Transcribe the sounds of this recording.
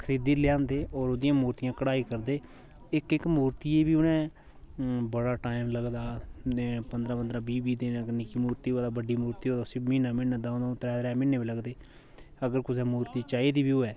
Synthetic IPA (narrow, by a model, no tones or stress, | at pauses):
kʰəɾiːd̪iːlɪjãːnd̪eːɔːɾoːd̪ɪjãːmuːɾt̪ɪjãːkəɽaːiːkəɾd̪eː | ɪkɪkmuːɾt̪iːeːbiːʊnɛ̃ː | bəɽaːʈaːɪmləɡd̪aː | pənd̪ɾaːpənd̪ɾãːbiːbiːd̪eːɡənɪkiːmuːɾt̪iːɦaːd̪aːbəɖiːmuːɾt̪iːɦoːd̪asiːmiːnaːmɪnãːd̪aːd̪ãt̪ɾɛːd̪ɾɛːmɪneːbiːləɡd̪eː | əɡəɾkʊsɛːmuːɾt̪iːt͡ʃaːeːd̪iːbiːɦoːɛː